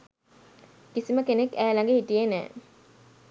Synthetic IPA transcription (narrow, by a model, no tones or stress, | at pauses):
kisiməkenekːæːlaŋɡehitijenæ̰ː